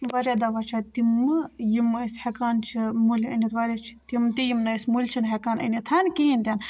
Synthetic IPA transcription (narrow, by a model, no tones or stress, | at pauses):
ʋɐɾʲed̪ɐʋat͡ʃʰat̪imɨjimɨsʲhekaːnt͡ʃʰimulʲɐ̰nʲit̪ʋɐɾʲat͡ʃʰi̥t̪imt̪ijimnɐsʲmulʲt͡ʃʰinɦɐkaːnə̰nit̪ʰankiinʲt̪ʲan